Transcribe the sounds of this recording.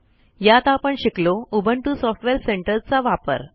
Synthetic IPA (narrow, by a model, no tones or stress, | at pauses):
jat̪apəɳɕikloubəɳʈusɔfʈʋeɾseɳʈəɾt͡saʋapə̰ɾ